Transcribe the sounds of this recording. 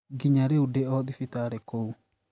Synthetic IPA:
ɡiɲaɾeudeɔðifitaːɾekou

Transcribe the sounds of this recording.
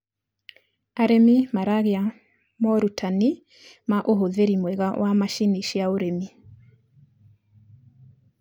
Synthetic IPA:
aɾemimaɾaɣea | mɔɾutʰani | maʔoɦoðeɾimwɛɣawʔamaʃiniʃiaoɾemi

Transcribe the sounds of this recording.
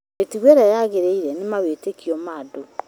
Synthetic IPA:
etiɣwɛɾajaɣeɾeiɾɛnemaβetekiɔmado

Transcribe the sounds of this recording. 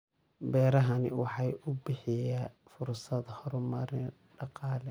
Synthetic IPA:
bɛːɾɐɦɐnɪ̰wɑħɑjʊbɪħɪjaː | fʊrsɐd̪hɔɾmɐɾɪn | ɖɑqɑːlɛ

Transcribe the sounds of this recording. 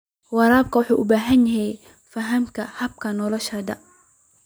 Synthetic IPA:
wɑɾaːbkʰɐħuːʔʊbaːɦɐnjɐɦɛj | fɐɦɐmkʰɐhɐb̚kʰɐnɔlɔʃɐd̪ɐ

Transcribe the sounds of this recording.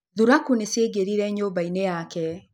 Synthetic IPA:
ðuɾakuneseɡeɾiɾɛɲoːbainejaːkɛ

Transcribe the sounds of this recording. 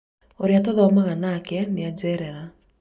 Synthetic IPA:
oɾeatoðɔmaɣanakɛnead͡ʒɛɾɛɾa

